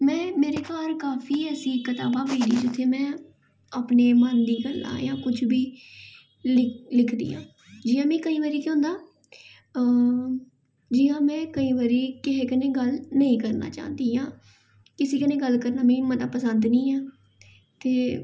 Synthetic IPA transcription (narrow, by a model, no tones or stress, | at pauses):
mɛ̃ːmeːɾeːkaːɾkaːpʰiːəsĩːkət̪aːbaːbeːɖḭːd͡ʒɪt̪ʰːeːmɛ̃ː | aːpneːmənd̪iːɡəlːã̰ːjã̰ːkʊt͡ʃʰbiː | lɪlɪkʰd̪ḭːã̰ː | d͡ʒiːãːmĩːkəĩːʋaːɾiːkõːnd̪aː | ə | d͡ʒiːjãːmɛ̃ːkəĩːʋaːɾiːkɪɦeːkənẽːɡəlnəĩːkəɾna̰ːt͡ʃa̰ːnd̪iːãː | kɪseːkənẽːɡəlkəɾnaːmĩːmət̪aːpəsənd̪nĩːaː | t̪eː